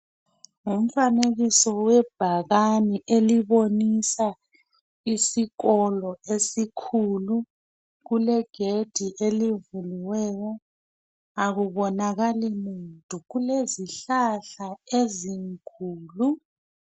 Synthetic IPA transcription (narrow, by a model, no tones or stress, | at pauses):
ŋum̩faneɣisɔwɛb̥ʱaɣaniʔeliβonisa | isiɣɔlɔesikʰulu | ɣulɛɡ̥ʱed̥ʱiʔelivuliwɛːjɔ | aɣuβɔnaɣalimuntʼuɣuleziɬaɬaeziŋkʰʼuːlu